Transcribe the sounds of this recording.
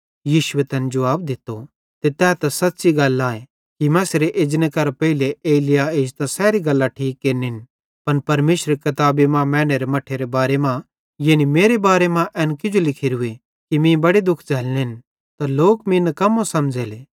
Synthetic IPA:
jiːʃʊet̪ɛːned͡ʒɐʋaːbd̪ɪt̪ːo | t̪et̪ɛːt̪asɐt̪ːsiɡɐlːaːe | kimɛ̃seɾeʔeːd͡ʒnekɐɾpɛɦileeːlɪjaeːd͡ʒt̪ãsɛːɾiɡɐlːaʈʰiːkːeːɾniɦɪn | pɐnpɐɾmeːsɾekɐt̪aːbimãmɛ̃ːɽ̃eɾemɐʈʰːeɾebaːɾemã | jeːnimeːɾebaːɾemãʔɛːnkɪd͡ʒolɪkʰiɾɦʊe | kimĩbɐɽed̪ʊkʰd͡ʒɐːlneɦn | t̪aloːkmĩnɐkɐmːosɐmd͡ʒeːleː

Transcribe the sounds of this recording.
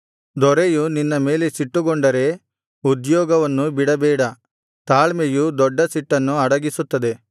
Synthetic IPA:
d̪ɔɾejuninːɐme̞ːlesiʈːuɡɔɳɖɐɾe̞ | ud̪jɔːɡɐʋɐnːubiɽɐbɛːɽɐ | t̪aːɭmejud̪ɔɖːɐsiʈːɐnːuɐɽɐɡisut̪ːɐd̪e̞

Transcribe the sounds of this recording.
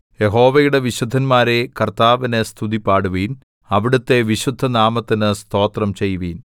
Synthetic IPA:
je̞ɦo̞ːʋɐjuɽe̞ʋiɕud̪ʱːɐnmaːɾe̞kɐrt̪aːʋine̞st̪ʰuðipːaːɽuʋijn | ɐʋiɽut̪ːe̞ʋiɕud̪ʱːɐnaːmɐt̪ːinɨst̪ʰo̞ːt̪rɐmt͡ɕe̞jːuʋijn

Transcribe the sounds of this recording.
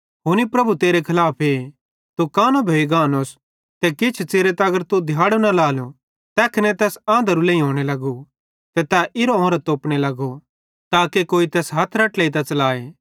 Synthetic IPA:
ɦʊnipɾɐbʱut̪eːɾekʰɐlaːpʰe | t̪ukaːnobʱoːiɡaːnoːs | t̪ɛkɪt͡ʃʰt͡ʃeːɾet̪ɐɡəɾt̪ud̪ʱjaːɽonɐlaːlo | t̪ɛːkɪnɛ̃t̪ɛːsãːnd̪əɾulẽːĩɦoːɽ̃elɐɡu | t̪ɛt̪ɛʔɪɾoõːɾat̪oːpɽ̃elɐɡo | t̪aːkekoːit̪ɛːsɦɐt̪ʰɾɐʈlɛit̪ɐ̃t͡ʃɐlaːeː

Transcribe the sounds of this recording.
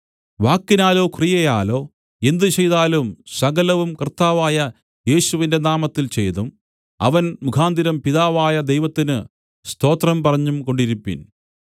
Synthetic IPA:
ʋaːkːinaːlo̞ːkrijɐjaːlo̞ː | e̞nd̪ɨt͡ɕe̞jðaːlumsɐɡɐlɐʋumkɐrt̪ːaːʋaːjɐ | je̞ːɕuʋinde̞naːmɐt̪ːilt͡ɕe̞jt̪um | ɐ̰ʋɐnmukʰaːnd̪iɾɐmpiðaːʋaːjɐd̪e̞jʋɐt̪ːinɨ | st̪o̞ːt̪rɐmpɐrɐɲːumko̞ɳɖiɾupːḭn

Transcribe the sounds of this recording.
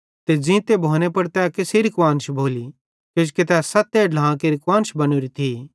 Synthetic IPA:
t̪ed͡zĩt̪ebʱoːñepɐɽt̪ɛakɪsiɾɪkʋaːnʃbʱoːli | ked͡ʒket̪̬ɛasɐt̪eɖlãːkeɾɪkwaːnʃbɐñuɾit̪ʰi

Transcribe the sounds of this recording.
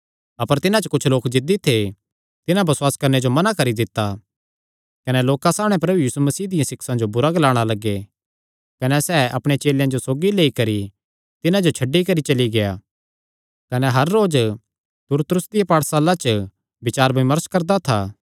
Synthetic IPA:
ɐpəɾt̪ɪnãt͡ʃəkʊt͡ʃʰloːkd͡ʒɪd̪it̪ʰe | t̪ɪnãbɐswaːskɐɾned͡ʒomɐnakɐɾid̪ɪt̪ːa | kɐnɛloːkãsaːbɽ̃ɛ̃pɾɐbujiːsumɐsiːd̪ɪjãsɪksãd͡ʒobʊɾaɡɐlaːɽ̃alɐɡe | kɐnɛsɛːʔɐpɽ̃et͡ʃeːljãd͡ʒosoːɡileːikɐɾi | t̪ɪnãd͡ʒot͡ʃʰɐɖːikɐɾit͡ʃɐliɡejaː | kɐnɛɦɐɾːoːd͡ʒ | t̪ʊɾt̪ɾʊsd̪ɪjapaːɽsaːlãt͡ʃə | bɪt͡ʃaːɾbɪmɐɾəskɐɾd̪at̪ʰaː

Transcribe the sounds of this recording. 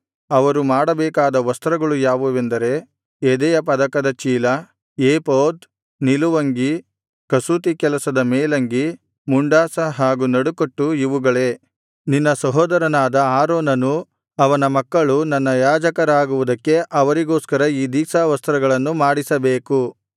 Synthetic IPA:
ɐʋɐɾumaːɽɐbɛːkaːd̪ɐʋɐst̪ɾɐɡɐɭujaːʋuʋend̪ɐɾe̞ | ed̪ɛjɐpɐd̪ɐkɐd̪ɐt͡ʃiːlɐ | eːpoːd̪ | niluʋɐŋɡi | kɐsuːt̪̬ikɛlɐsɐd̪ɐmɛːlɐŋɡi | muɳɖaːsɐɦaːɡunɐɽukoʈːuiʋuɡɐɭe̞ː | ninːɐsɐɦɔːd̪ɐɾɐnaːd̪ɐaːɾoːnɐnu | ɐʋɐnɐmɐkːɐɭunɐnːɐjaːd͡ʒɐkɐɾaːɡuʋud̪ɐkːe̞ʔɐʋɐɾiɡo̞ːskɐɾɐiːd̪iːsaːʋɐst̪ɾɐɡɐɭɐnːumaːɽisɐbeːku

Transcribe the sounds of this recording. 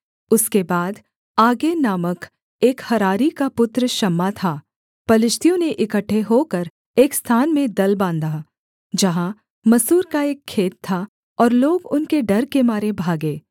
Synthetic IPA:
ʊskebaːd̪ | aːɡenaːmək | eːkhɐɾaːɾikapʊt̪ɾəʃɐmːat̪ʰaː | pɐlɪʃt̪ʰijõneʔɪkəʈʰːeɦokəɾ | eːkst̪ʰaːnmẽd̪ɐlbãːnd̪a | d͡ʒɐɦã | mɐsuːɾkaeːkʰːeːt̪ʰːa | ɔːɾloːɡʊnkeɖɐɾkemaːɾebʱaːɡeː

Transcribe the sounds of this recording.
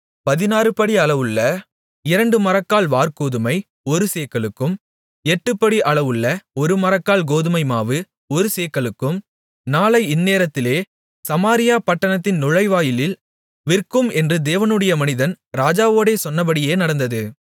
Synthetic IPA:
pɐðɪnaːɾɯpɐɽiɐɭɐʋɯɭːɐ | ɪɾɐɳɖɯmɐɾɐkːaːɭʋaːɾkoːðɯmɐɪ | ɔɾɯseːkːɐɭɯkːɯm | ɛʈːɯpːɐɽiʔɐɭɐʋɯɭːɐɔɾɯmɐɾɐkːaːlɡoːðɯmɐɪmaːʋɯ | ɔɾɯseːkːɐɭɯkːɯm | naːlɐɪɪnːeːɾɐt̪ːɪleː | sɐmaːɾɪjaːpɐʈːɐɳɐt̪ːɪnnʊɻɐɪʋaːjɪlɪl | ʋɪrkɯmɛndrɯd̪eːʋɐnɯɽɐjɐmɐnɪðɐn | ɾaːd͡ʒaːʋoːɽeːsɔnːɐpɐɽɪjeːnɐɽɐnd̪ɐðɯ

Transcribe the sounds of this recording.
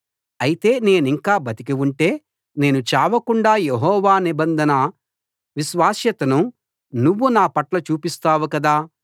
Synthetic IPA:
ɐjit̪e̞ːne̞ːniŋkaːbɐt̪ikiuɳʈe̞ː | ne̞ːnut͡ʃaːʋɐkuɳɖaːjeɦɔːʋaːnibɐnd̪ʱɐnɐ | ʋiʃʋaːsjɐt̪ɐnu | nuʋːunaːpɐʈlɐt͡ʃuːpist̪aːʋukɐd̪aː

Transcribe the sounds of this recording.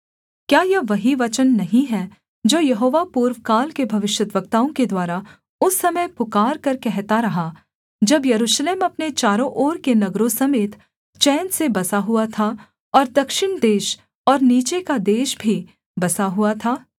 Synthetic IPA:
kjaːjɐʋɐɦiʋɐt͡ʃənːɐɦĩɦɛ | d͡ʒoːjɐɦoːʋapuːɾʋkaːlkebʱɐʋɪʃjət̪ʋəɡt̪aːõked̪waːɾa | ʊsːɐməjpʊkaːɾkɐɾkɛɦt̪aɾɐɦa | d͡ʒɐbjɐɾuːʃleːmɐpnet͡ʃaːɾõʔoːɾkenɐɡɾõsɐmeːt̪ | t͡ʃɛːnsebɐsaɦuat̪ʰa | ɔːɾd̪ɐkʃɪɳd̪eːʃ | ɔːɾniːt͡ʃekad̪eːʃbʱi | bɐsaɦuat̪ʰaː

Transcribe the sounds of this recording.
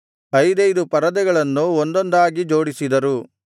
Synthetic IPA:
ɐjd̪ɐjd̪upɐɾɐd̪ɛɡɐɭɐnːuond̪ond̪aːɡid͡ʒo̞ːɽisid̪ɐɾu

